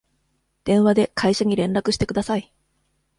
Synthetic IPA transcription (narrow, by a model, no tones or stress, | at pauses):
d̪̥ẽ̞ɰ̃βad̪e̞kʰaiɕaɲ̟iɾẽ̞nɾakɯ̟ɕi̥t̪ekɯ̟d̪asai